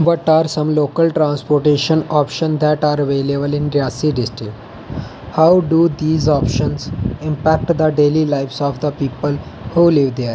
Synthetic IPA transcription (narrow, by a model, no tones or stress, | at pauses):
ʋɔʈaɾsə̃mlokəlʈɾãnspoɾʈeʃə̃nɔpʃə̃nd̪æʈaɾəʋelebəlĩnɾjasiɖɪsʈɾik̚ʈ | hawɖud̪iːzɔpʃə̃nsĩmpæk̚ʈd̪əɖelilaɪfsɔfd̪əpiːpəl | huliʋd̪eɾ